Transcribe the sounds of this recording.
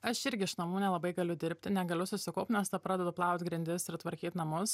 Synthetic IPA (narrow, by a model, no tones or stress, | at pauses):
ɐʃɪɾʲɡʲɪɪʃnɐmuːnʲɛlˠɐbɐɪɡɐlʲʊd̪ʲɪɾʲpʲt̪ʲɪnʲɛɡɐlʲʊsʊsʲɪkoʊpnʲɛst̪ɐpɾɑːd̪ʲɛd̪ʊplˠɑˑʊt̪ʲɡɾʲɪnʲd̪ʲɪsɪɾt̪ʋɐɾʲkʲiːt̪ʲnɐmʊs